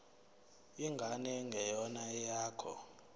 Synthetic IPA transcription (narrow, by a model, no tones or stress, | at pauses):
iŋɡʱanɛŋɡʱɛjɔnaɛjaːkʰɔ̰